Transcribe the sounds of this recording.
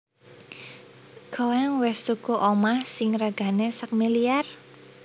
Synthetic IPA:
ɡ̥owɛŋwɛst̪uɡ̥uʔomahsɪŋraɡ̥a̤nesək̚miliar

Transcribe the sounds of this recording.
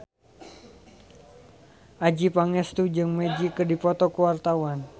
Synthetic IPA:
ʔad͡ʒipaŋɛst̪ud͡ʒɨŋmɛd͡ʒikədipɔt̪ɔkuwart̪awan

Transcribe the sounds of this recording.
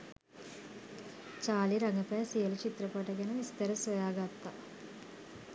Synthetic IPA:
t͡ʃaːliɾaŋəpæːsijəlut͡ʃit̪ɾəpaʈəɡænəʋist̪əɾəsʋojaːɡat̪ːa

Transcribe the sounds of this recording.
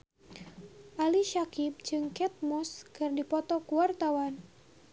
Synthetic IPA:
ʔaliʃakɪp̚d͡ʒɨŋkɛt̪̚mɔskɨrdipɔt̪ɔkuwart̪awan

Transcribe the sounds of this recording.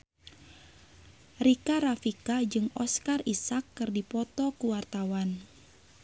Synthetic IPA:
rikaɾafikad͡ʒɨŋɔskarisakːɨrdipɔt̪ɔkuwart̪awan

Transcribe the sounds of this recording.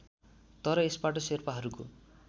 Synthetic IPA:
t̪ʌɾʌespaʈʌserpaɦʌɾuko

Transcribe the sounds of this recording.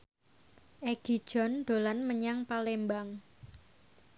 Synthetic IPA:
ʔeɡ̥i̤̥ʒ̥ɔ̤nɖ̪̥o̤lanməɲaŋpalembaŋ

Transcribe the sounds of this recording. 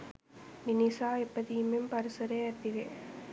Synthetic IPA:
ʋɪnisaːɛpːɐðimɪmpɐɾɯsɐɾɐɐt̪ːɪʋeː

